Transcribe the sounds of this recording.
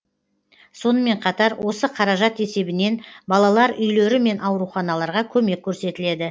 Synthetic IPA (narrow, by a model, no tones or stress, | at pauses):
so̞nəme̞ɴqʰɑt̪ɑɾwʔo̞səqʰɑɾɑʒɑt̪e̞se̞bɪne̞nbɑlˠɑlˠɑɾʏjle̞ɾɪme̞nʔɑwɾuχɑnɑlˠɑɾʁɑkʲʰɵme̞kʲʰːɵɾse̞t̪ɪle̞d̪ɪ